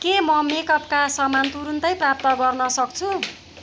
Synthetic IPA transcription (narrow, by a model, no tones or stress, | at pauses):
kemʌmekʌpkasʌmant̪uɾunt̪ʌjprap̚t̪ʌɡʌrnʌsʌk̚t͡sʰu